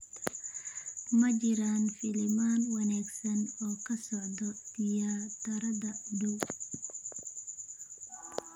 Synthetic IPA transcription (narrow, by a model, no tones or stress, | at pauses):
mɐt͡ʃɪɾaːnfɪlɪmaːnwɐnaːɡsɐnɔːkʰɐsɔʕd̪ɔd̪ɪjaːt̪ʰɐɾɐðɐd̪uː